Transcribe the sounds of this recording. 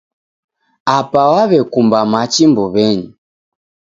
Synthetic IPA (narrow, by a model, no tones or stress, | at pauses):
apawaβɛkumbamat͡ʃimbɔβɛɲi